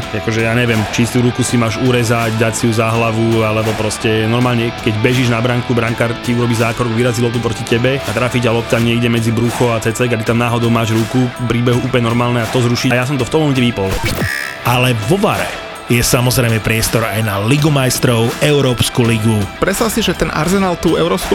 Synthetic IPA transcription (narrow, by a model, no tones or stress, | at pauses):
akɔʒɛjaːɲɛʋɪɛmt͡ʃist̪uɾukusimaːʒuɾɛzaɟd̪acsiuzaɦlaʋualɛbɔpɾɔscɛnɔɾmaːlɲɛkɛɟbɛʒiʒnabɾaŋkubɾaŋkaɾciuɾɔbiːzaːkɾɔɡʋiɾazilɔp̚t̪upɾɔcicɛbɛat̪ɾaːfiːɟalɔp̚t̪amɲɛiɡɟɛmɛd͡zibɾuxɔat͡sɛt͡sɛɡat̪it̪amnaːɦɔd̪ɔʊmaːʒɾukupɾiːbɛɦuuːpɔlɲɛnɔɾmaːlnɛat̪ɔzɾuʃiajas̬ɔmt̪ɔft̪ɔmɔmɛcɛʋipɔl | ʔalɛʋɔʋa̰ɾɛ̰ | jɛsamɔzɾɛjmɛpɾɪɛst̪ɔɾajnaliɡumajst̪ɾɔʊɛʊɾɔːpskuliɡupɾɛsasiʒɛt̪ɛnʔa̰ɾzɛnaːlt̪uːɛʊɾɔːpsku